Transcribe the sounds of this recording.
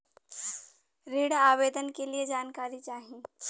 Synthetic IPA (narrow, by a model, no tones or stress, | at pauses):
ɾeːɽaːʋeːd̪ənkelied͡ʒaːnkaːɾit͡ʃaːɦĩ